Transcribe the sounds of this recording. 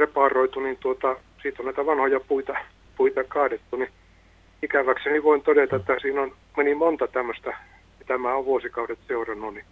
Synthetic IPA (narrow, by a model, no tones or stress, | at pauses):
repɑˑroit̪unint̪uot̪ɑ | siːt̪onnæˑit̪æʋɑnhojɑpuit̪ɑ | puit̪ɑkɑːdet̪ːuni | ikæʋækseniʋoint̪odet̪ɑet̪ːæsiːnon | menimont̪ɑt̪æmːøst̪æ | it̪æmæːoʋʋuosikɑudet̪seurɑnːuni